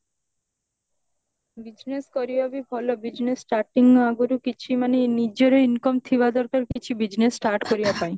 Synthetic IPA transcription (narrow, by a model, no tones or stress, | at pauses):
bid͡ʑneskɔɾibabibʱɔlobid͡ʑnesʈaɾʈiŋaɡuɾukit͡ɕʰimanenid͡ʑoɾeinkɔmt̪ʰibad̪ɔɾkaɾkit͡ɕʰibid͡ʑnesʈaɾʈkoɾibapaj